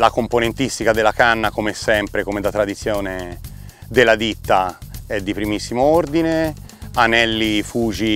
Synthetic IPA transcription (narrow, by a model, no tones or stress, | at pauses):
lakomponent̪ist̪ikad̪elːakanːakomesɛmpɾekomed̪at̪ːɾad̪it̪sːjoːne | d̪elːad̪it̪ːaɛd̪ːipɾimisːimoord̪ine | anɛlːifuːd͡ʒi